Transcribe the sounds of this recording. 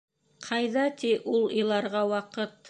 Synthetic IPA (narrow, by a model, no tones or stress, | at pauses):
qʰɑjðɑt̪iʔulˠĭjlˠɑɾʁɑwɑqɤt̪̚